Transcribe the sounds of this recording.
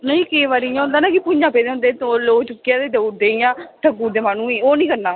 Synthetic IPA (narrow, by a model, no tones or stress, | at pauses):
nəĩːkeːʋaːɾijãːʊ̃nd̪aːnaːkɪpʊɲãːpeːd̪eːõnd̪eːt̪oloːt͡ʃʊkːɪjãːd̪eːd̪əd̪eːijãːt̪əɡuːd̪eːmaːnũːiːoːnĩːkəɾnaː